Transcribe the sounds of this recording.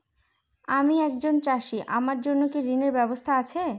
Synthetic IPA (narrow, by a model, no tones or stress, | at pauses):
amiɛkd͡ʑont͡ɕaʃiʔa̰maɾd͡ʑonːokiɾineɾbɛbost̪ʰaat͡ɕʰe